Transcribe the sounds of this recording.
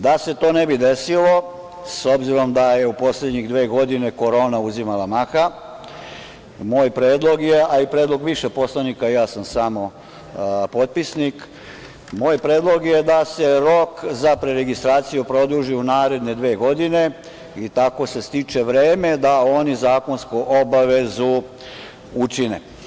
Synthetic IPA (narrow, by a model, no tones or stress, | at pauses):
d̪ase̞t̪o̞ːnebid̪e̞silo̞ | so̞bziɾo̞md̪aje̞upo̞sled̪ɲiɣd̪ʋe̞ːɡo̞d̪ine̞ko̞ɾo̞ːnauzimalamaxa | moːjpɾeːd̪lˠo̞ɡjeaipɾeːd̪lˠo̞ɡʋiʃepo̞slanikajaːsamsamo̞ | po̞t̪̚pisnik | moːjpɾe̞ːd̪lˠo̞ɡje̞d̪ase̞ɾokzapɾeɾeɡist̪ɾaːt̪sijupɾo̞d̪uʒiunaːɾe̞d̪ne̞d̪ʋeːɡo̞d̪ine̞ | it̪ako̞se̞st̪it͡ʃe̞ʋɾe̞ːme̞d̪ao̞nizaːko̞nskuʔobaʋe̞zu | ut͡ʃinḛ